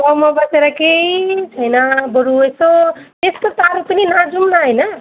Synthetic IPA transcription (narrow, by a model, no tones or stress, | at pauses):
ʌmʌbʌt͡seɾʌkeit͡sʰʌjnʌbʌɾuesot̪eskot̪aɾupəninad͡zumnaɦʌjnʌ